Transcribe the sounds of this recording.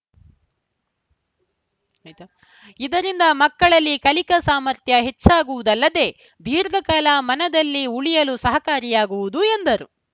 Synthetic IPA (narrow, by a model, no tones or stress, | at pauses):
ɐjt̪ɐ | id̪ɐɾind̪ɐmɐkːɐɭɐlːikɐlikɐsaːmɐɾt̪ʰjɐɦe̞t͡ʃːaːɡuʋud̪ɐlːɐd̪e̞ː | d̪iːɾɡɐkaːlɐmɐnɐd̪ɐlːiuɭijɐlusɐɦɐkaːɾijaːɡuʋud̪uend̪ɐɾu